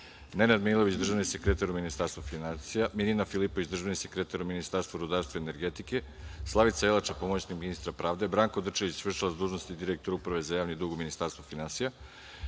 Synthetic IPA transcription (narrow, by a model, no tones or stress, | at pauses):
nenad̪milˠo̞ʋit͡ɕd̪r̩ʒaʋnisekɾet̪aɾuminist̪aɾst̪vofinansijamininafilˠipoʋit͡ɕd̪r̩ʒanise̞kɾet̪aɾuminist̪aːɾst̪voɾud̪aːɾst̪ʋoene̞ɾɡet̪ike̞ | slˠaʋit̪saelˠat͡ʃapomot͡ɕnikminist̪ɾapɾaːʋd̪e̞bɾaːŋkod̪r̩t͡ʃeʋit͡ɕsʋr̩t͡ʃalazd̪uːʒnost̪id̪iɾek̚t̪oɾupɾaʋe̞zajaːʋnid̪uɡuminist̪aɾst̪vofinansija